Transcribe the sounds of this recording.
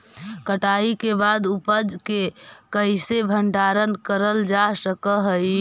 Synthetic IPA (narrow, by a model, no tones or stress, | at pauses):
kəʈaikebad̪upəd͡ʒke | kəɪsebʱəɳɖaɾənkəɾəld͡ʒasəkəɦəi